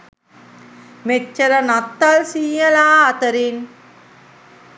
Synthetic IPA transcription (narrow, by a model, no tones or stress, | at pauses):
met͡ʃːɐɾənat̪ːalsĩːjəlaːt̪əɾin